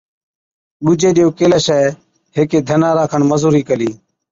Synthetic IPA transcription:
ɓʊd͡ʒeːɗɪjoːkeːləːʃɛː | ɦeːkeːd̪ʱənaːɾaːkʰəɳməzuːɾiːkəliː

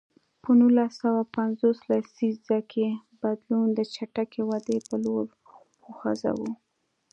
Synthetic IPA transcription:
pənulasawapanzoslasizzakʰebad̪lund̪ət͡ʃaʈakewad̪epəloɾ | uxa̰za̰wu

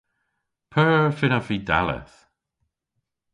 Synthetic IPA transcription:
pʰəɹɹfɪnaviːd̪a̰lə̰θ

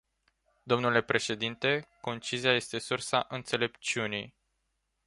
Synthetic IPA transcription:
d̪o̞mnule̞pɾe̞ʃe̞d̪int̪e̞ko̞nt͡ʃiziaje̞st̪e̞sursaʔɨnt̪se̞le̞pt͡ʃiunḭj

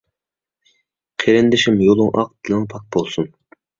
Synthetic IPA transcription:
qʰeɾɪnd̪ɪʃɪmjolˠʊŋʔɑ̰q̚d̪ɪlɪŋpʰɑk̚bolˠsun

